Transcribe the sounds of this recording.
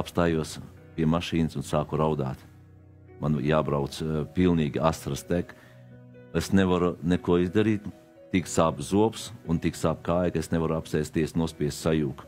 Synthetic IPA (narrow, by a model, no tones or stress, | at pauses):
apst̪aːjuɔs | pʲiɛmaʃiːnɨsunsaːkuɾawd̪a̰ːt̪ | manjaːbɾawt̪spilˠniːɡʲasɾast̪ʲɛk | esneʋaɾunɛkuɔizd̪aɾiːt̪ | t̪iksaːbzuɔpsunt̪iksaːp̚kaːjkesnevaɾuapsɛjst̪iɛsnuɔsʲpʲiɛssajuːk